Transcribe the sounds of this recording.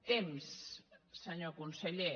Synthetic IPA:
t̪emsː | əɲokunsəʎe

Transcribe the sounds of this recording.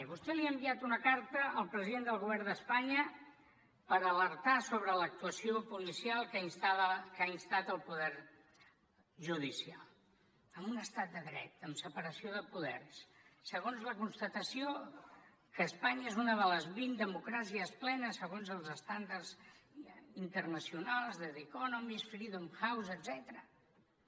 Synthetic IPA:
βust̪ɛliəmbiat̪unəkaɾt̪əəlˠpɾəziðend̪əlˠɣuβɛrd̪əspaɲə | pəɾələɾt̪asoβɾələk̚t̪uəsiopulisialˠkainst̪akainst̪at̪əlˠpuðɛɾ | ʒuðisialˠ | əmunəst̪at̪̚d̪əðɾɛ̰t̪əmsəpəɾəsioðəpuðɛ̰rssəɣ̞onzləkunst̪ət̪əsio | kəːspaɲəezunəðələzβind̪əmukɾasiəsplɛnəsəɣonzəlˠzəst̪and̪ərz | int̪ərnəsiunalˠzðəðikɔnomisfɾiðomxawzəd̪zɛt̪əɾə

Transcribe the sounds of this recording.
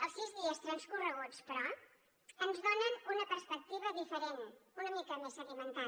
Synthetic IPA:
əlˠsizðiəst̪ɾənskurəɣut͡spɾɔ | ənzðonənunəpəɾspək̚t̪iβəðifəɾenunəmikəmesəɣimənt̪a

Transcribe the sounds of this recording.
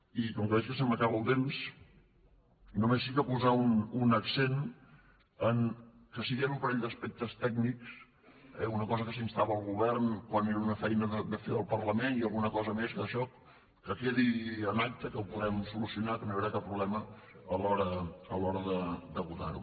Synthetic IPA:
ikɔŋkəβɛt͡ʃkəsəməkaβəlˠt̪ems | numesikəpuzaununəksen | əŋkəsiɣənumpəɾɛʎd̪əspɛk̚t̪əst̪ɛɡniks | ɛ̰unəkɔzəkəsinst̪aβəlˠɣuβɛɾnkwaneɾəunəfɛjnəðəd̪əfeəlˠpəɾləmeniəlˠɣunəkɔzəmeskəəʃɔ | kəkeðiənak̚t̪əkəlpuðɾɛmsulusiunakəmeβɾakapːɾuβlɛmə | əlɔɾəəlɔɾəðəd̪əβut̪a̰ɾṵ

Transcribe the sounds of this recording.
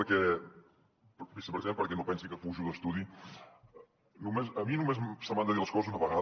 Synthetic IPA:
əɾkɛ | bisəpɾziẽmpəɾkɛnopɛnsikəfuʒuðəst̪uði | numesəminumezsəmand̪əðiləskɔzəzunəβəɣa

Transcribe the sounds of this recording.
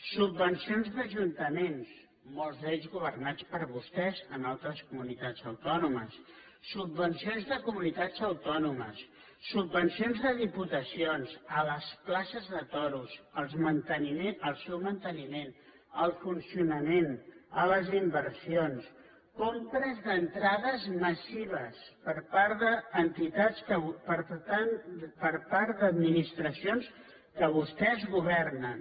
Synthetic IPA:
subbənsionzðəʒunt̪əmens | molˠzðɛzɣuβəɾnat͡spəɾβust̪ɛzənalˠt̪ɾəskumunit̪ad͡zəwt̪ɔnuməsː | ubːənsionzðəkumunit̪ḁd͡zəwt̪ɔnuməsː | ubːənsionzðəðiput̪əsionzələsplasəzðət̪ɔɾuzəlˠzmənt̪ənimenəlˠsɛwmənt̪ənimen | əlˠfunsiunəmenələzimbəɾsions | kompɾəzðənt̪ɾaðəzməsiβəspəɾpaɾðəːnt̪it̪at͡skəpəɾt̪anpəɾpaɾd̪əd̪minist̪ɾəsions | kəβ̞ust̪ɛzɣuβ̞ɛrnən

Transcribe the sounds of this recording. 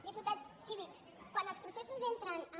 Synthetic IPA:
d̪əput̪at̪siβik | kːwanəlˠspɾusesuzent̪ɾənə

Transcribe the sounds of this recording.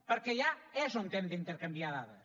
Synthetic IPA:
poɾkeʎaɛsõnt̪ɛnd̪int̪eɾkɐmbjaða̰ðɐ

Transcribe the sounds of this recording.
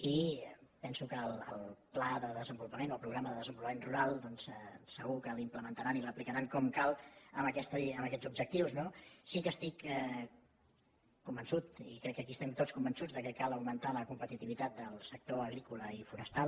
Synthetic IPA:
ipɛnsukəlˠə̰lˠplaðəðəzəmbulpəmenoəlˠpɾuɣɾaməðəðəzəmbulˠpəmenruɾalˠd̪ɔnsɛsəɣukəlimpləmənt̪əɾaniləplikəɾaŋkɔmkalˠəməkɛst̪əməkɛzub̚d͡ʒək̚t̪iwznosikəst̪ikɛ | umbənsut̪ḭkɾɛkːəkiəst̪ɛmt̪ot͡sskumbənsud͡zðəkəkalˠəwmənt̪aləkumpət̪it̪iβit̪at̪̚d̪əlˠsək̚t̪oəɣɾikuləifunəst̪alˠ

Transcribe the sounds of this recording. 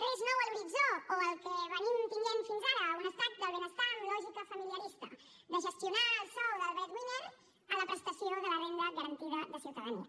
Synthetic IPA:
eznɔwelbizokoelkeβəɲimp̪iɲenfinzaɾaunəst̪at̪̚d̪əlβenəst̪alɔʒikafamiljaɾist̪a | d̪əʒəst̪junaːlˠsɔwðəlβɛt̪ɣwiɲeɾ | alapɾest̪asiowðəlarend̪aɣaɾant̪iðɐðəsjiwt̪aðanḭa̰

